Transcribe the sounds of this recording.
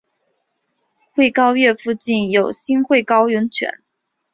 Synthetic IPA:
xwe˥˩ɪkɑ˥ʊɥɛ˥˧fu˥˧t͡ɕi˥˩njo˨˩ʊɕi˥nxwe˥˩ɪkɑ˥ʊɥʊ˧˥ŋt͡ɕʰɥɛ̰˧˥n

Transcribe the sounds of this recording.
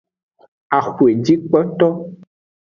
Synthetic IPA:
a˨xu˨e˨d͡ʒi˦k͡pɔ˦t̪ɔ˦

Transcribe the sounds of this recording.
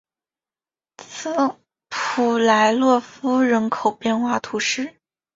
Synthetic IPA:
t͡s̩ʰ˥˩ | pʰu˨˩la˧˥ɪlwɔ˥˩fu˥ɻə˧˥nkʰo˨˩ʊpjɛ˥˧nxwa˥˩t̪ʰu˧˥ʂɻ̩˥˩

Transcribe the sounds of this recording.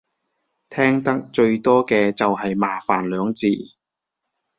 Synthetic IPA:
t̪ʰɛː˥ŋt̪ɐ˥k̚t͡ʃɵ˧ɥt̪ɔː˥kɛː˧t͡sɐ˨whɐ˨jmaː˨˩faː˨˩nlœː˨˧˥ŋt͡siː˨˩

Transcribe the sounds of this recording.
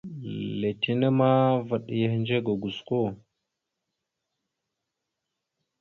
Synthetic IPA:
le˨ti˦nə˦ma˦və˨ɗjə˨hnd͡ʒe˦ɡa˨ɡu˨sko˦˨

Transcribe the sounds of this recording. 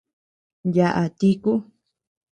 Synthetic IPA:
ja˧ʔa˨t̪i˦ku˦

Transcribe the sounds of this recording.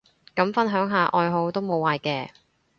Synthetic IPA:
kɐ˨˥mfɐ˥nɦœː˨˥ŋɦaː˨˧ʔɔː˧jɦo˨˧wt̪o˥wmo˨˧waː˨˧jkɛː˧

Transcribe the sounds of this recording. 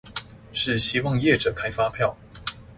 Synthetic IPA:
ʂɻ̩˥˩ɕi˥wɑ˥˧ŋjɛ˥˩ʈ͡ʂɤ˨˩kʰa˥ɪfa˥pʰjɑ˥˩ʊ

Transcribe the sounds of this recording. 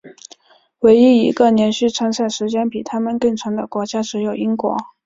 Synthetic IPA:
we˧˥ɪi˥˩i˧˥ɡə˧njɛ˧˥nɕy˥˩t͡sʰwa˥nsa˥˩ɪʂɻ̩˧˥t͡ɕjɛ˥npi˨˩t̪ʰa˥mə˨nkɤ˥˩ŋt͡sʰɑ˧˥ŋd̪ə˧˨kwɔ˧˥t͡ɕja˥ʈ͡ʂɻ̩˧˥jo˨˩ʊi˥ŋkwɔ̰˧˥

